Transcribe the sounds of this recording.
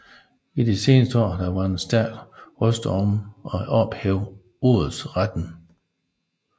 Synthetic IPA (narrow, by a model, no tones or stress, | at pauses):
id̥ise̝ːnəsd̥əɒ̰ːd̥ɑ̈ʋɑ̈ensd̥ælʁɔsd̥əɒmɒ̽ʔɒ̽b̥heʊ | o̰ːð̩ˠsʁad̥n̩